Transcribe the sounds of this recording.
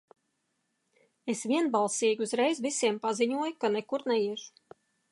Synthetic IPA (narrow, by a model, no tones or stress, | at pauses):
esvʲiɛnbalˠsiːɡuzɾɛjzvisiɛmpaziɲuɔjkanɛkuɾnɛiɛʒu̥